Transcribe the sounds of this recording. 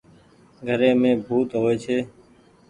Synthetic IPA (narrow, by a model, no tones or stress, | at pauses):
ɡʱəɾẽːmẽːbʱuːt̪ɦoːeːt͡ʃʰeː